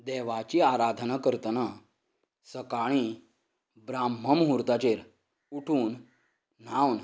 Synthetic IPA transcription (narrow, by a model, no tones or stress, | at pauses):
d̪ɛʋat͡ɕiaɾad̪ʱənakəɾt̪əna | səkaɭ̃ĩ | bɾam̤ːəmɦuɾt̪at͡ɕeɾ | uʈʰuːn | n̤awn